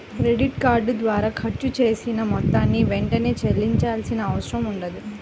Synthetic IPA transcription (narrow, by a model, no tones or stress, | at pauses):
kɾeɖiʈkaːɾɖd̪ʋaːɾaːkʰɐʈt͡ʃut͡ʃe̞ːsinɐmɔt̪ːaːnːiʋeɳʈɐne̞ːt͡ʃelːiɲt͡ʃaːlsinɐːʋɐʃɾɐmuɳɖɐd̪i